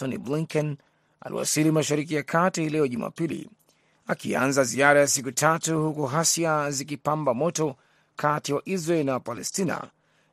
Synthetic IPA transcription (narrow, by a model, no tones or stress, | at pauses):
ɔnḭbliŋkɛn | a̰lḭwa̰silimaʃaɾik̬ijakʰatihlɛɔʄuma̰pilḭ | akiã̰nzaziaɾajasik̬utʰatuhukuɦasiazik̬ipambamɔtɔ | kʰatiwaʔizɾaɛlnawapalɛstina̰